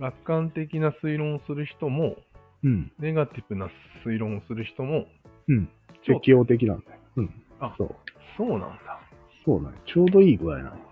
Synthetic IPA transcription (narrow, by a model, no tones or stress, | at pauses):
ɡakːãnt̪e̞kʲinasɨiɾõ̞ɰ̃osɨɾɯ̟çi̥t̪o̞mõ̞ | ne̞ɡat̪ibɯ̟na | sɨiɾõ̞ɰ̃osɨɾɯ̟çi̥t̪o̞mo̞ | ɯ̟̃ | t͡ɕekʲijo̞ːt̪e̞k̬ʲinã̰nd̪aoɯ̟̃ɴ | aso̰ː | so̞ːnã̰nd̪̥ḁ | soːnã̰ot͡ɕo̞ːd̪o̞iːɡɯ̟ɾa̰inã̰n